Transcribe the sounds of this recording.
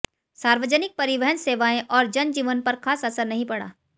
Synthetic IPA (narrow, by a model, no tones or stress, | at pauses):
saːɾʋəd͡ʒənɪk̚pɐɾɪʋɛɦənseːʋaːẽʔɔːɾd͡ʒɐnd͡ʒiːʋənpɐɾxʰaːsɐsəɾnɐɦĩpɐɽa̰ː